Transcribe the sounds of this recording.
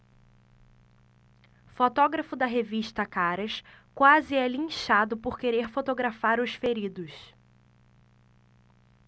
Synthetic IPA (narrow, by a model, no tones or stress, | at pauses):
fot̪ɔɡɾɐfʊd̪ɐɦeviʃt̪ɐkaɾɐʃkwazɪɛlĩʃad̪ʊpoɾkeɾeɾfot̪oɡɾafaɾʊʃfeɾid̪ʊʃ